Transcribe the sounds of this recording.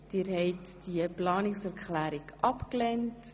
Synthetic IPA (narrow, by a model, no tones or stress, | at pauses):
d̥iːɾhɛɪtd̥iəplɑːnɪksɛɾkχlæːɾikʔɑpklɛnt